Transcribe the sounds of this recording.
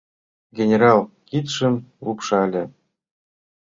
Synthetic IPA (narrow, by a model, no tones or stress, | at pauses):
ɡʲenʲeɾɑlˠkit̪ʂɘ̆mupʂɑlʲɘ̆